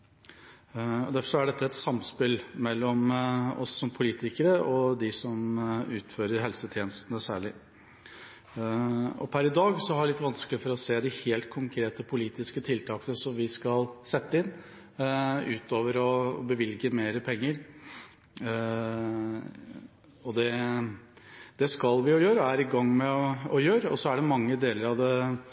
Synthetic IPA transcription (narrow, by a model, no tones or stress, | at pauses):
ɔ̰d̪æfɔʂɔæɖɛt̪ːəɛt̪sɑmspɪlmɛlːɔmɔ̰sːɔmpʰʊliːt̪ɪkəɾəʔɔd̪ɪsɔmʉːt̪føːɾəɾɦɛlsət̪ʰjeːnəst̪ənəsæːɭɪ | ɔ̰pʰæɾɪd̪ɑːɡsɔhɑɖɛlɪt̪ːʋɑnsklɪfɔɾɔseːd̪ɪheːlt̪̚kʰʊŋkʰɾeːt̪əpʰʊliːt̪ɪskət̪ʰɪlt̪ʰɑːkənəsɔmʋɪskɑlsɛt̪ːəɪnː | ʉ̰ːt̪oːʋəɾɔ̰bəʋɪlɡəmeːɾəpʰɛŋːəɾ | ɔd̪ɛ | d̪ɛskɑlʋɪʊjøːɾəæɾɪɡɑŋːmɛɔjøːɾəɔ̰sɔæɖɛmɑŋːəd̪eːləɾɑʋd̪ɛ